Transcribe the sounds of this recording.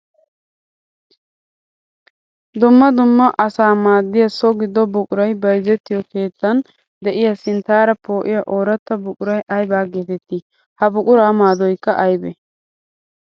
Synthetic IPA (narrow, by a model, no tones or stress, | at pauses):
d̪ʊmːɐd̪ʊmːɐʔɐsaːmaːd̪ːɪjɐsɔɡɪd̪ːɔbʊkʼʊɾɐjbɐjzɛt̪ːɪjɔke̞ːt̪ːɐn | d̪ɛʔɪjɐsɪnt̪aːɾɐpo̞ːʔɪjɐʔoːɾɐt̪ːɐbʊkʼʊɾɐjʔɐjbaːɡeːt̪ɛt̪ːiː | hɐbʊkʼʊɾaːmaːd̪ɔjkːɐʔɐjbɛ̰